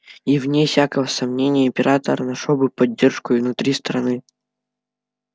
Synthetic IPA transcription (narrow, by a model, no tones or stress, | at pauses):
ivnʲefsʲakəvəsɐmnʲenʲɪjəɪmʲpʲɪɾʔat̪əɾɐnɐʂɔbɨpɐdʲːerʂkʊɪvnʊt̪ɾʲist̪ɾɐnɨ